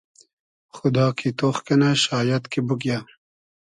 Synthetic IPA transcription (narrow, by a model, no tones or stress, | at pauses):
xʊd̪ɑːkʰit̪oxkɐnaɕɑːjɐt̪kibukja